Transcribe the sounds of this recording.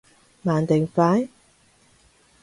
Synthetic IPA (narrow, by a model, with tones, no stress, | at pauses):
maː˨˩nt̪e˨˩ŋfaː˨˥n